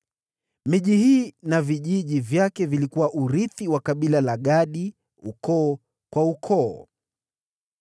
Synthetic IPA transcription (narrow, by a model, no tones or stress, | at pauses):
miʄihiːnaviʄiʄivjakɛvilikuwaʔuɾiθiwakaɓilalaɠaɗi | ṵkɔː | kwaukʰɔː